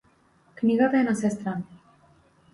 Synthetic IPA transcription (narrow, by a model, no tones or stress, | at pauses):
kniɣot̪eenasest̪ɾa